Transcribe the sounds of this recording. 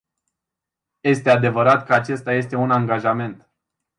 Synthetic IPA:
je̞st̪e̞ad̪e̞vəɾat̪kəat͡ʃe̞st̪aje̞st̪e̞unaŋɡaʒame̞nt̪

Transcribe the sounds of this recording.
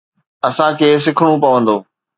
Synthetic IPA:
ɐsãkʰeːs̬ɪkʰəɽ̃upɐʋə̃nd̪oː

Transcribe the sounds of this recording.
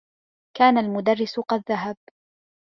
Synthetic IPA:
kaːnalmʊd̪arːɪsʊqɑðːaɦab̚

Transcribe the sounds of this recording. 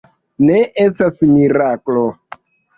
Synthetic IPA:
neʔestasmiɾaklo

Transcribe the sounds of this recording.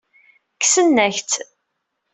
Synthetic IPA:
kːsənːæçt͡s̪

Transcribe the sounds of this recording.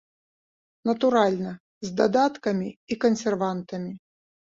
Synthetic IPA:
nɐt̪uɾalʲnɐ | zʲd̪ɐd̪at̪kɐmʲiikɐnsʲɛrvant̪ɐmʲi

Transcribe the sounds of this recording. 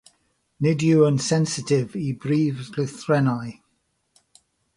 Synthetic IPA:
nɪdjuənsɛnsɪtʰɪvibɹiːvlɪθɹɛnaj

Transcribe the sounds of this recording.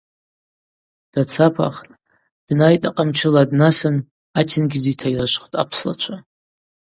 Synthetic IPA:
d̥at͡sʰapʰa̰χtʼ | d̥najtʼaqʼamt͡ʃʰɪladnasan | atʰɪnɡʲɪzitʰajlaʃʷχʷtʼa̰pʰsla̰t͡ʃʷʰa

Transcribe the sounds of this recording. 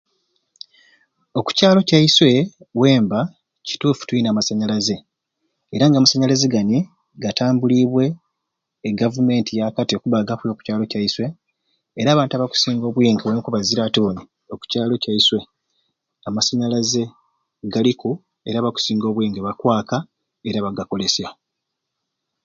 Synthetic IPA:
o̞ku̥caːlo̞caiswe̞ | we̞ːmba | ci̥tuːfu̥twuinaːmasaɲalaze̞ | eɾaŋɡamasaɲalazeɡani | ɡataːmbuliːβwe̞ː | ɡavume̞ːntijakatiokuβaɡafujoku̥caːlo̞caiswe̞ː | ɾaːβaːntuaβaku̥siːŋɡo̞ːβwiːŋɡewanikuβaziɾatoni | o̞ku̥caːlo̞caiswe̞ | amasaɲalaze̞ | ɡaliku | e̞̰ɾaβaku̥siːŋɡo̞ːβwiːŋɡeβakwaːka | e̞ɾaβaɡako̞lesja

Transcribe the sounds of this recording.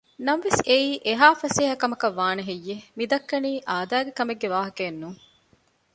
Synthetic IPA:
nɐmʋeseiːʔeɦaːfɐseːɦɐkɐmɐkɐʋːaːnɐɦejːemid̪ɐkːɐniːʔaːd̪æːɡekɐmeɡːeʋaːɦɐkeːnːuːŋ

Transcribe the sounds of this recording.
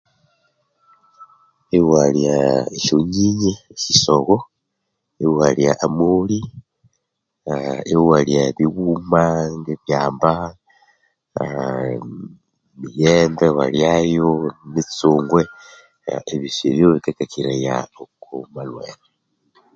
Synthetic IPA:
ewwaljaeʃoɲiɲekisoɣo | ewwaljaʔamuli | aewwaliaeβiɣuːmaŋɡeβjaːmba | mijeːmdewa̰ljajonet͡suːŋɡwḛ | eβiseβjoβikakakiɾaja̰okomalweːna

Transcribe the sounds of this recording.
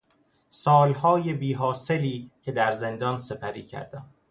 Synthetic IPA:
sɒːlhɒːje̞biːɦɒːse̞liːcʰe̞d̪æɾze̞nd̪ɒːnse̞pʰæɾḭːcʰæ̰ɾd̪æm

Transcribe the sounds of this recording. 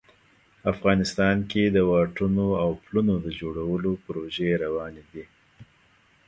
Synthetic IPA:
afɣɑnɪst̪ɑnked̪əwɑʈunoawplunod̪əd͡ʒoɽawəlopɾoʒeɾawɑned̪i

